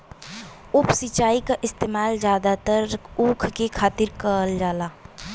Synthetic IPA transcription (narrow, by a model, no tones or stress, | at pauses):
ʊpsit͡ʃaːikaʔɪst̪eːmaːld͡ʒjaːd̪at̪əɾũːkʰkekʰaːt̪ɪɾkəəld͡ʒaːlaː